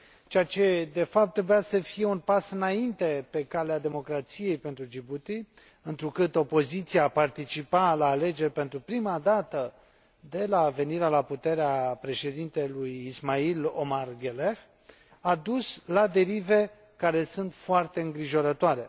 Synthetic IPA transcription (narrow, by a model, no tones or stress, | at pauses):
t͡ʃeat͡ʃe̞d̪e̞fap̚t̪ːɾe̞bujasəfije̞unpasɨnaint̪e̞pe̞kalead̪e̞mo̞kɾat̪sije̞jpe̞nt̪ɾud͡ʒibut̪i | ɨnt̪ɾukɨt̪o̞po̞zit̪siaːpart̪it͡ʃipalaːle̞d͡ʒe̞rʲpe̞nt̪ɾupɾimad̪at̪ə | d̪e̞lave̞niɾealaput̪e̞ɾeapɾe̞ʃe̞d̪int̪e̞lujismailo̞̰marɡelex | ad̪uslad̪e̞ɾive̞ | kaɾe̞sɨnt̪foart̪e̞ɨŋɡɾiʒo̞ɾət̪oaɾe̞